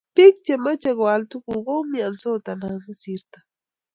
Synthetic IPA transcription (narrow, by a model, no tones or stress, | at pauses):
pik̚t͡ʃemat͡ʃaɡoalt̪ukuɡomiansot̪ananʊsiɾt̪ḁ